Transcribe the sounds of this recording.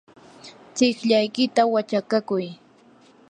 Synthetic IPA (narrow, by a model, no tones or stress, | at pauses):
t͡sɪkʎajkɪt̪awat͡ʃakakʊj